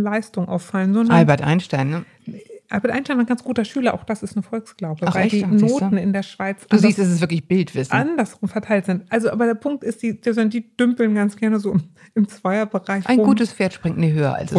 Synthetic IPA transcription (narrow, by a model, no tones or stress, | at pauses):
laɪstʊŋʔa̰ʊfalənzɔndaɪbɐtʔa̰ɪnʃtaɪnnə | ʔalbɛtʔaɪntaɪnaɪnɡansɡ̥uːtɐʃyːlɐʔa̰ʊxd̥asɪstnəfɔlksɡ̥laʊbə̥aɪdiːnoːtn̩ɪndeːɐʃv̥aɪt͡sd̥auziːstɛs̬ɛsv̥ɪɐklɪçb̥ɪltv̥ɪsnandɐsʁ̥ʊmfɛɐtʰaɪltz̥ɪntʔalzoʔaːbɐdeːɐpʰʊŋk̚tɪstd̥iːd̥izɛndiːd̥ʏmpl̩nɡant͡sɡ̥ɛɐnəzoː | ɪmt͡sv̥aɪɐbəʁaɪçʔaɪnʊɡuːtəsfeːɐtʃpʁ̥ɪŋtmiɐɦøːɐ̰ʔa̰ls